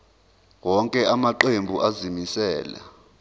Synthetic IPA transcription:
wɔŋkʼɛʔamaǃembʱuʔazimisɛːla̰

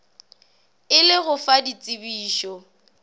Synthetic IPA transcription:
ɪlɪɣʊfadit͡sʼɪbiːʃɔ

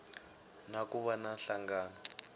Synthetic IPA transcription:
nakuβanaɬaŋɡaːnɔ

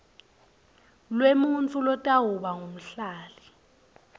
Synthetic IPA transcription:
lwemunt͡fʰʼulɔtʼaɦuɓaŋʱom̩ɬaːli

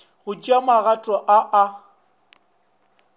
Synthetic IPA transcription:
ɣʊd͡ʒamaɣatʼɔʔaʔa

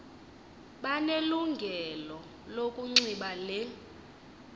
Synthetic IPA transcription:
ɓaneluŋɡʱɛlɔ | lokʼuŋ͡ǀiɓalɛ

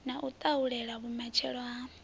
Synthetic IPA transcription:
naʔut̪ʼauɺɛɺaβumat͡ʃʰɛɺɔa

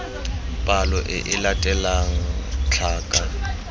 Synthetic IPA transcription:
pʼalɔʔɪʔɪlatʼɛlaŋ̩t͡ɬʰaːkʼa

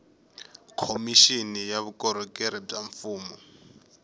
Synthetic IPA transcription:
kʰomiʃinijaβukʼɔɾɔkʼɛɾɛtʼaɱfuːmɔ

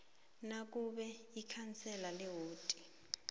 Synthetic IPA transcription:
nakʼuɓɛ | ikʰant͡sʰʼɛlalɛɦoːtʼi

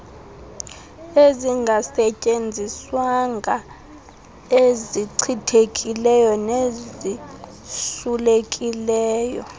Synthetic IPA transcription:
eziŋɡʱasɛcʼend͡zʱiswaŋɡʱa | eziǀʰitʰekʼilɛjɔnezi | sulekʼilɛːjɔ̰

